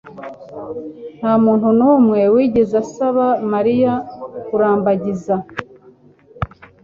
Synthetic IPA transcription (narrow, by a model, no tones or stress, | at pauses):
n̥haːmuːn̥hunuːmŋe̞wiːɟezasaβamaɾijakuɾaːmbaɟiza